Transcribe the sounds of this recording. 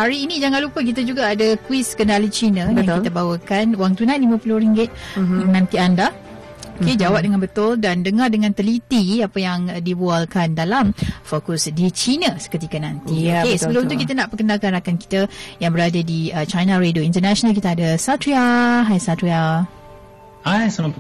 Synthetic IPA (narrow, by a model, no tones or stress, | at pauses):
haɾiːnid͡ʒaŋãnlupək̬it̪ad͡ʒuɡaːdakwiskənalit͡ʃinə̃jãŋkiabawəkanwaŋt̪unãnlimãpulʊhɾiŋɡɪt̪̚ənãnt̪ianda | oked͡ʒawap̚dəŋanbət̪ʊldandəŋardəŋãnt̪əlit̪iapəjaŋdibualkandalamfokʊsdit͡ʃinəsə̥kət̪ikanãnt̪ioesəbəlʊmt̪ukit̪anaʔpəkənalkanɾakanki̥t̪ajaŋbəɾadadiət͡ʃajnãɾedoint̪ənaʃɔnalk̬it̪aːdasat̪ɾiaɦajsat̪ɾia | ajsəla